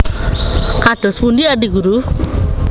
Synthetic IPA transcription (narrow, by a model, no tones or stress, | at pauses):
kadɔspundiadiɡuɾu